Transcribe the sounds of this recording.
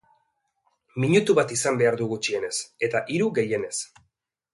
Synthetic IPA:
miɲut̪uβat̪isambe̞aɾðuɣut͡ʃie̞ne̞se̞t̪aʔiɾuɣe̞je̞ne̞s

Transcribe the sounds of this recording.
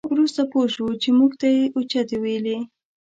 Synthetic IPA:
wɾust̪apoʃwut͡ʃemuɡt̪ajeʔut͡ʃat̪eweli

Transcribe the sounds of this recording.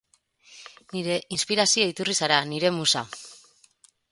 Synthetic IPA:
niɾe̞ʔinspiɾasioit̪urisaɾaniɾe̞musa

